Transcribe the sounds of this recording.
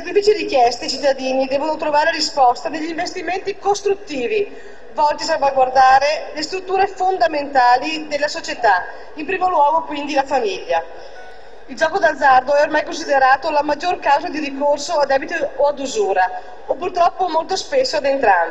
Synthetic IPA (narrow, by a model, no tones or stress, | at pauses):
k̪ɾifit͡ʃiɾikjɛst̪et͡ʃit̪ːad̪iːnid̪ɛːvonot̪ɾovaːɾeɾispɔst̪ad̪eʎːiɱvest̪iment̪ikost̪ɾut̪ːiːvi | vɔlt̪ias̬alvaɡward̪aːɾelest̪ɾut̪ːuːɾefond̪ament̪aːlid̪elːasot͡ʃet̪a | impɾiːmolwɔːɡokwind̪ilafamiʎːa | ild͡ʒɔːkod̪ad̪zːard̪oɛormajkons̬id̪eɾaːt̪olamad͡ʒːorkawzad̪iɾikorsoad̪ɛːbit̪oːad̪uzuːɾa | opurt̪ɾɔpːomolt̪ospesːoad̪ent̪ɾa̰n